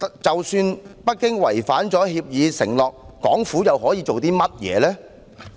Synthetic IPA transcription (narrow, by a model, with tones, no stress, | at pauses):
t͡sɐ˨wsyː˧npɐ˥t̚kɪ˥ŋwɐ̰˨˩jfaː˨˥nt͡sɔː˨˥ɦiː˧p̚jiː˨˧sɪ̰˨˩ŋlɔː˨k̚ːɔ̰ː˨˥ŋfuː˨˥jɐ˨whɔː˨˥jiː˨˧t͡ʃo˨wt̪iː˥mɐ˥t̚jɛ̰ː˨˧lɛː˥